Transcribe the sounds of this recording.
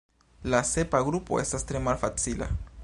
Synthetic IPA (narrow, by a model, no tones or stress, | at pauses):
lase̞paɡɾupo̞̰e̞stastɾe̞malfat͡sila̰